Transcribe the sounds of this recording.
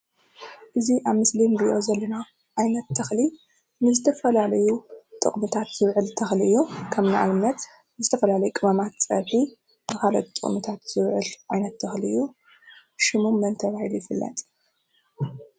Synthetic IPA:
ʔɨziʔaβmɨslinɡɨʔozɐlːɐna | ʕajnɐt̪ːʰɐxli | nɨzɨt̪ʰɐfɐlalɐjut̪ʼɨ̰χʼmɨt̪ʰat̪z̥ɨβʕɨlt̪ʰɐxliʔɨjːukʰɐmnaʔa̰lɨmnːɐt̪ | nɨzɨt̪ʰɐfɐlalɐjukʼɨmɐmat̪t͡sʼɐ̰βħi | bɨkʰalɐ̰t̪t̪ʼɨ̰χʼmɨt̪ʰat̪z̥ɨβʕɨlʕajnɐt̪ːʰɐxliɨjːu | ʃɪmumːɐnt̪ʰɐβahilujɪfɨlːɐ̰t̪ʼ

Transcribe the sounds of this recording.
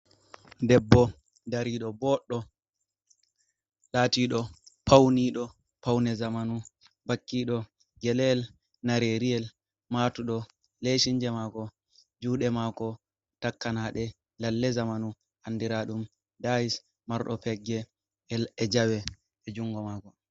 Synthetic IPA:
dɛbːɔ | daɾiɗɔbɔɗːɔ | laːtiɗɔpʰawniɗɔ | pawnɛzamanu | bakːiːɗɔ | ɡɛlɛl | naɾeɾiɛl | matuɗɔ | leʃiɲd͡ʒɛmakɔ | d͡ʒuːɗɛmakɔ | takːanaɗɛ | lalːɛzamanu | ʔandiɾaɗum | dais | maɾɗɔpɛɡːɛ | ɛɛd͡ʒawɛ | ɛd͡ʒuŋɡɔmaːkɔ

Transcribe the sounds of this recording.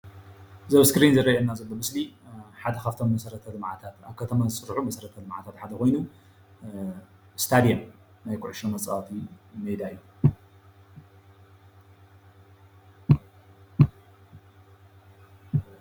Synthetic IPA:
zɐβskɾinzɨɾɐɐnːazɨlːomɨsliħad̪ɐkʰaft̪ʰo̞mːɐsɐɾɐt̪ʰɐlɨmʕa̰t̪ʰat̪aβkʰɐt̪ʰɐmazɨsʼɨɾħumɐsɐɾɐt̪ʰɐlɨmʕa̰t̪ʰat̪ħad̪ɐko̞jnu | st̪ʰad̪ijɐm | najkʰʊʕuʃomɐt͡sʼafimejd̪aɨjːu

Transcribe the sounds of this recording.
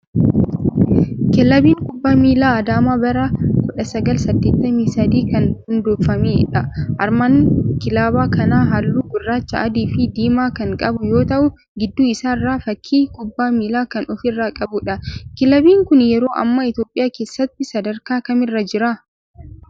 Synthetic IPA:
kɪlːɐbiːŋkʼʊbːaːmiːlaːɐd̪aːmaːbɐɾakɔᶑɐsɐɡɐlsɐd̪ːeːt̪ːɐmiːsɐd̪iːkɐnhʊnd̪oːfːɐmeːᶑɐʔɐɾmaːnkɪlaːbaːkɐnaːɦɐlːuːɡʊrːaːt͡ʃːɐʔɐd̪iːfɪd̪iːmaːkɐŋkʼɐbʊjo̞ːt̪ɐʔʊ | ɡɪd̪ːuːɪsaːɪrːaːfɐkʰːiːkʼʊbːaːmiːlaːkɐnʔɔfɪrːaːkʼɐbʊᶑɐkɪlɐbiːŋkʊnjɛɾo̞ːʔɐ̰mːɐɪt̪jo̞ːpʼːɪjaːkeːsːɐt̪ːɪsɐd̪ɐɾkaːkɐmɪrːɐd͡ʒɪɾa

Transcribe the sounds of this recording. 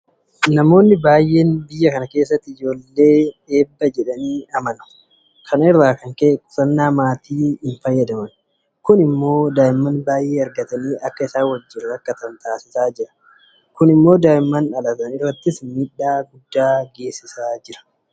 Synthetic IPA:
nɐmo̞ːnːɪbaːjʔe̞ːnbɪjːɐkɐnɐke̞ːsːɐt̪ːɪɪd͡ʒo̞ːlːe̞ːᶑe̞ːbːɐd͡ʒɛᶑɐniːɐmɐnʊ̥ | kʰɐnɪrːaːkɐŋkeːsɐnːaːmaːt̪iːhɪnfɐjːɐd̪ɐmɐn | kʊnɪmːo̞ːd̪aːɪmːɐnbaːjʔeːɐɾɡɐt̪ɐniːʔɐkːɐɪsaːwɐd͡ʒːɪɾɐkːɐt̪ɐnt̪aːsɪsaːd͡ʒɪɾɐ̥ | kʊnɪmːo̞ːd̪aːɪmːɐnᶑɐlɐt̪ɐnɪrːɐt̪ːɪsmiːᶑːaːɡʊd̪ːaːɡe̞ːsːɪsaːd͡ʒɪɾɐ̥

